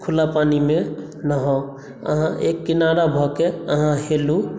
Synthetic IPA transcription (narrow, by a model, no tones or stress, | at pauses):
kʰulapanime | naɦɔ | ə̰ɦãʔekːinaɾabʱɔkeəɦãhelu